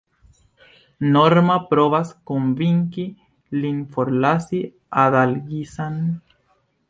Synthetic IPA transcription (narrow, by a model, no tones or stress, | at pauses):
noɾmapɾoβaskombiŋki | linfoɾlasi | aðalɡisan